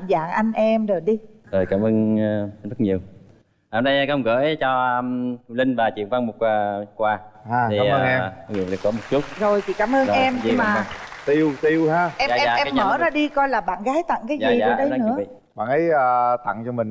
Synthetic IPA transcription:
zaː˧˨˩ŋʔa˧jŋ̟ʔɛ˧mzo˨˩jɗi˧zo˨˩jkaː˧˩mʔəː˧ŋ˧zə˦˥t̚ɲi˨˩əw | ʔa˨˧˩mɗə˧jkːə˧ŋ͡mɣə̰ː˧˦jt͡ɕɔ˧ə˧lï˧ŋvaː˨˩t͡ɕḭ˧˨əŋva˧ŋmo˨˩t̚waː˨˧kwaː˧˩aː˧˩iː˨˩ə˧˨ŋɛ˧vḭ˨˩˨ɗə˨˩kɔ˨˦mo˨˩t̚t͡ɕu˦˥t̚zo˨˩jt͡ɕʰḭ˧˨kaː˨˦mʔəː˧˨ʔɛ˧mɲiɨ˧˨˧maː˨˩t̪i˧wt̪i˧whaː˧ʔɛ˧aː˧˨ɛ˧aː˧˨ɛ˧a˨˦mːməː˧˩˦zaː˧ɗi˧kɔ˧jlaː˨˩ɓa̰ː˧˨nɣaː˨˦jt̪a̰˧˨ŋkaː˨˦jzazi˨˩aːə˧ɗə˧˨˦nɨ̰˧˥ə˩ḭ˧˨ | ɓa̰ː˧˨nʔə˨˦jəː˨˩t̪a̰˧˨ŋt͡ɕɔ˧mï˨˩ŋ

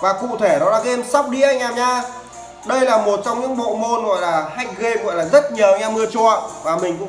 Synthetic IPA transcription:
vaː˨˩kṵ˧˨t̪ʰe˧˩ɗɔ˨˦laː˨˩ka˨˧˦ʔe˧msa˦˥wk͡p̚ɗi˧ʔa˧jŋ̟laː˨˩mɲaː˧ | ɗə˧jlaː˨˩mo˨˩t̚t͡ɕɔ˧wŋ͡mɲɨ̰˧˥ŋɓo̰˧˨mo˧nɣɔ̰˧˨jlaː˨˩ha˧˩jk̟̚ɣe˧ɣɔ̰˧˨jlaː˨˩zə˦˥t̚ɲi˨˩˧jɲaː˧mɨ˧ət͡ɕu˧˩ə˨vaː˨˩mï˨˩ŋ̟kʊ̰˧˥

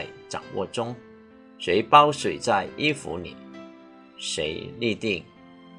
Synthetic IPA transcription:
ɪt͡sɑ̰˨˩ŋwʔɔ̰˥˧ʈ͡ʂʊ˥ŋ | se˨˧˥ɪpa˥ʊswe˨˩t͡sa˥˧ɪi˥fṵ˧˥nḭ˨˩˦ | ʂe˨˥ɪli˥˧t̪i˥˩ŋ

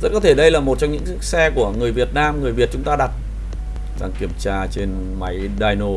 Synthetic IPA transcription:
zə˦˥t̚kɔ˨˦e˧˩ɗə˧jlaː˨˩mo˨˩t̚t͡ɕɔ˧wŋ͡mɲɨ̰˧˥ŋɨ˦˥sɛ˧ku˧˩əŋɨ˨˩əjvi˨˩ət̚naː˧mŋɨ˨˩əjvi˨˩ət̚t͡ɕʊ˨˦ŋ͡mt̪aː˧ɗa˨˩t̚ | za̰˨˩ŋki˨˧˩əmt͡ɕaː˧t͡ɕe˧n | ma˨˦j | ɗaː˧jno˧˩

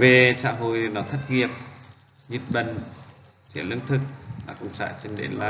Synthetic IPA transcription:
ve˨˩sa̰ː˧˥ɦo̰˧˨jnɔ˨˦t̪ʰə˦˥t̚ŋi˨˩əp̚ | ɲi˨˧˥t̚ɓə˧˨ŋ | t͡ɕi˧˩lɨ̰˧˥nt̪ʰɨ˨˩k̚la̰ː˨˧˩kʊ̰˧˨ŋ͡msa̰ː˧˥t͡ɕe˧nɗḛ˧˨laː˧˨

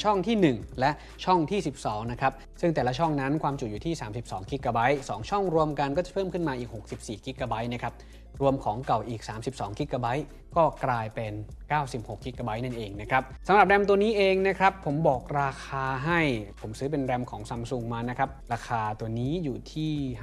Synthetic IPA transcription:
t͡ɕʰɔ˥˩ŋt̪ʰiː˥˩nɯ˨˩ŋlɛ˦˥ʔ | t͡ɕʰɔ˥˩ŋt̪ʰiː˥˩si˨˩p̚sɔː˩˦ŋna˦˥kʰɾa˦˥p̚ | sɯ˥˩ŋt̪ɛː˨˩la˦˥t͡ɕʰɔ˥˩ŋna˦˥nkʰwaː˧mt͡ɕu˨˩juː˨˩t̪ʰiː˥˩saː˩˦msi˨˩p̚sɔː˩˦ŋki˦˥kːaː˧ba˦˥jsɔː˩˦ŋt͡ɕʰɔ˥˩ŋɾu˧əmka˧nkɔː˥˩t͡ɕa˨˩pʰɤː˥˩mkʰɯ˥˩nmaː˧ʔiː˨˩k̚ho˨˩k̚si˨˩p̚siː˨˩ki˦˥kaː˧ba˦˥jna˦˥˩kʰɾa˦˥p̚ | ɾu˧əmkʰɔː˩˦ŋka˨˩wʔiː˨˩k̚saː˩˦msi˨˩p̚sɔː˩˦ŋki˦˥kaː˧ba˦˥j | kɔː˥˩klaː˧jpe˧nkaː˥˩wsi˨˩p̚ho˨˩kːi˦˥kaː˧ba˦˥jna˥˩nʔeː˧ŋna˦˥kʰɾa˦˥p̚sa˨˦mɾa˨˩p̚ɾɛ˧mt̪u˧əniː˦˥ʔeː˧ŋna˦˥kʰɾa˦˥pʰːo˩˦mbɔː˨˩k̚ɾaː˧kʰaː˧ɦa˥˩jpʰo˩˦msɯː˦˥p̬e˧nɾɛ˧mkʰɔː˩˦ŋsa˧msu˧ŋmaː˧na˦˥kʰɾa˦˥p̚ɾaː˧kʰaː˧t̪u˧əniː˦˥juː˨˩t̪ʰiː˥˩

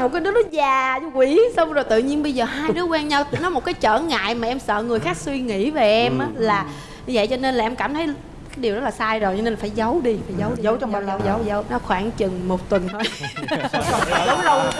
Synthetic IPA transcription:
mo˨˩t̚kaː˨˦nɨ˨˦˥ɗɔ˨˦zaː˨˩ɲ˧kwi˧˩˦sə˧wŋ͡mzo˨˩jt̪ɨ̰˧˨ɲi˧ənɓə˧jzəː˨˩ɦaː˧jɗɨ˨˦əkwaː˧nɲa˧wnɔ˨˦mo˨˩t̚kaː˨˦jt͡ɕəː˧˩ŋa̰ː˧˨jmaː˨˩ʔɛ˧msə̰ː˧˨ŋɨ˨˩əjxaː˦˥k̚swi˧ŋḭ˧˥ve˨˩ʔɛ˧mʔaː˨˦laː˨˩ | ɲɨ˧və̰˧˨jt͡ɕɔ˧ne˧nlaː˨˩ʔɛ˧mkaː˧˩mt̪ʰə˨˦j | kaː˨˦jɗi˨˩wzə˦˥laː˨˩saː˧jzo˨˩jt͡ɕɔ˧ne˧na˨˩faː˧˩jzə˨˦wɗi˧faː˨˩jzə˨˦wə˨˦wzə˨˦wə˨˦wnɔ˨˦xwaː˧˩ŋt͡ɕɨ˨˩ŋmo˨˩t̚t̪wə˨˩nt̪ʰo˧j | zə˨˦wlə˧w

